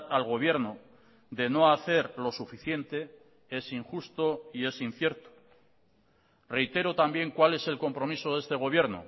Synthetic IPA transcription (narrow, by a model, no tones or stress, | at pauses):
alɣo̞β̞je̞ɾno | d̪e̞no̞aθe̞ɾlo̞sufiθje̞nt̪e̞ | e̞siŋxust̪o̞ie̞sin̟θje̞ɾt̪o̥ | re̞jt̪e̞ɾot̪ambje̞ŋkwale̞se̞lko̞mpɾo̞miso̞ðe̞st̪e̞ɣ̞o̞β̞jeɾno̰